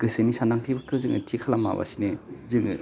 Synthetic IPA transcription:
ɡ̥ɯsɯnisandaŋtʰibakʰɯzɯŋʔɯ̰tʰikʰalamːa̰ba̰sinezɯŋɯ

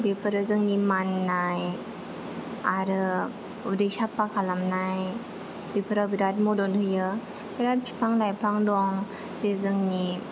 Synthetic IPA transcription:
bepʰɯɾɯzɯŋnimanːaj | aɾɯ | udɯjsapakʰalamnaj | b̥epʰəɾabiɾat̚mɔdɔnɦʰɯjɯ | b̥iɾat̚pʰipʰaŋlajpʰaŋdɔŋ | sezɯŋni

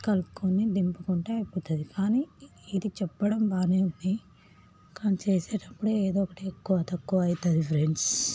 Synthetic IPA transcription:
kɐlkonid̪impukuɳʈeːɐpːut̪ɐd̪ikaːniːd̪it͡ʃɛpːɐɽɐmbaːniund̪i | kaːnit͡ʃeːseːʈɐpːuɽueːd̪ɔːɔkɐʈiekːuʋɐt̪ɐkːuʋɐːjt̪ɐd̪ipʰɐɾeɳs

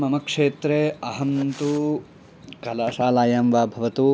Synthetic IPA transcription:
mɐmɐkʂeːt̪ɾeɐɦɐnt̪u | kɐlaːʃaːlaːjaːmʋaːbʱɐʋɐt̪u

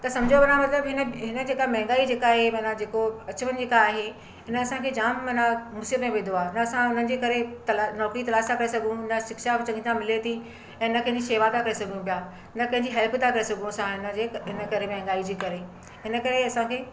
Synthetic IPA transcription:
t̪ɐsɐ̃md͡ʑʱobɐnamɐt̪ləbɦɪnəɦɪnə̆d͡ʑeːkamɐ̃ɦɪ̃ŋɡaːid͡ʑeːkaːɦemɐnad͡ʑeːkoɐt͡ɕəʋənɪ̆d͡ʑeːkaːɦe | ɦɪnəɐsãkʰeːd͡ʑaːmːɐnamusiət̪mẽʋẽːd̪oaːɪnɐɐsãʊn̤ən̆d͡ʑeːkɐɾet̪ɐlnɔːkɾit̪ɐlaːst̪ʰakɐɾesɐɡʱũɪnəʃɪkʃabt͡ɕɐ̃ŋɡit̪ʰãmɪlet̪ʰi | ɛ̃ːɪnə̆kʰɐ̃ɪ̃ɲd͡ʑiʃeːʋat̪ʰakɐɾesɐɡʱjũpijaː | nɐkɐ̃ɦɪ̃ɲd͡ʑiɦɛlpʰt̪ʰakɐɾesɐɡʱũɐsãɦɪnə̆d͡ʑeɦɪnəkɐɾemɛɦɪ̃ŋɡaːid͡ʑiːkɐɾe | ɦɪnə̆kɐɾeɐsãkʰeː

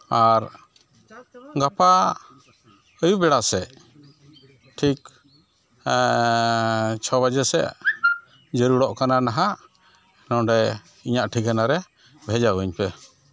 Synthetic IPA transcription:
aɾ | ɡapa | əjubɛɽasɛʔ | ʈʰik | t͡ʃʰɔbad͡ʒɛsɛ̰ʔ | d͡ʒəɾuɽɔʔkananaɦa | nɔɖɛ | iɲaʔʈʰikanaɾɛ | bʱɛd͡ʒawəɲpɛ

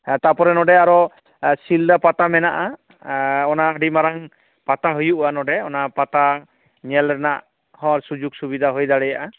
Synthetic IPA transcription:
t̪apɔɾɛnɔɖɛaɾɔ | sild̪apat̪amɛnaʔa | ɔnaəɖimaɾaŋ | pat̪aɦujuʔanɔɖɛɔnapat̪a | ɲɛlɾɛnaʔ | hɔ̃ɾsud͡ʒuɡsubid̪ʱaɦojd̪aɽɛjaʔa

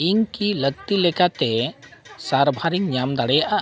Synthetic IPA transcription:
ɪnkilək̚t̪ilekat̪e | saːɾbʱaɾikɲaːmd̪aɽejʔa

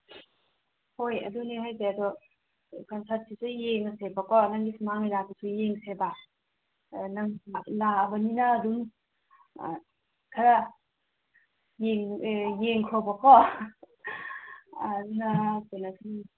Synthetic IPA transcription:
hojɐ̰duneɦajzeadɔ | kɔnsʰat̚sʰisujeŋasebakɔnaŋɡisʰumaŋnijlasisʰujeŋseba | naŋlaːbaninaːdum | kʰaɾa | jeŋjeŋkʰɔbakɔ | dunatenasʰi

